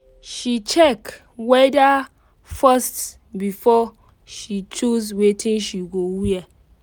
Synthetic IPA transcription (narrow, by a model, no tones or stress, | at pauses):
ʃit͡ʃɛk | wɛda | fast | bifɔ | ʃit͡ʃuzwetʰĩnʃiɡowia